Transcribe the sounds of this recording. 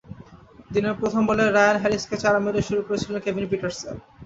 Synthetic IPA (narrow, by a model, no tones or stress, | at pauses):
d̪ineɾpɾot̪ʰomboleɾajonɦɛɾisket͡ɕaɾameɾeʃuɾukoɾet͡ɕʰilenkebʱinpiʈoɾsḛn